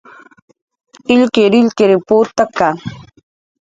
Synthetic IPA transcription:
ɪlkeɾɪʎkeɾepot̪aka

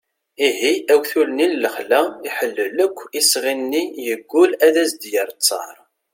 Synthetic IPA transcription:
iɦiʔæwθulnilːəχlæiħəlːələkʷːisʁinːijəɡːʊlæðæsd̪jəɾˤt͡sːɑ̰ɾˤ

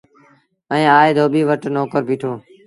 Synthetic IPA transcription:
ə̃ĩːaːeːd̪ʱoːɓiːʋəʈnoːkəɾpiːʈʰoː

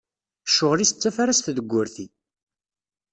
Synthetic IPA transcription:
ʃːʊʁlist͡sːæfaɾast̪ðəɡʷːʊɾθi

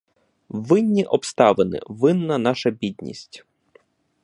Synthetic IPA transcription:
ʋɪnʲːiʔɔpst̪ɑʋenɪ̰ʋɪnːɐnɑʃɐbʲid̪ʲnʲḭsʲtʲ

